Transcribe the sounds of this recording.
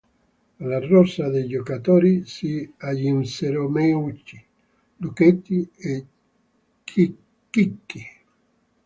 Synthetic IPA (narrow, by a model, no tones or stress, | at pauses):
larːɔsːad̪ejd͡ʒokat̪oːɾisiaʎinseɾomɛut͡ʃːi | luket̪ːie | ki | kːikːi